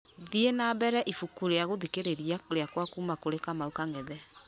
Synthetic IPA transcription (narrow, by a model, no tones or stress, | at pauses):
ðienabɛɾɛʔifukuɾeaɣoðikeɾeɾiaɾeakwakuːmakoɾekamaukaŋɛðɛ